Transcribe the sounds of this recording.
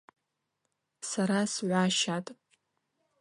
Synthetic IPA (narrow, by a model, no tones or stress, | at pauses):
saɾasʕʷaʃatʼ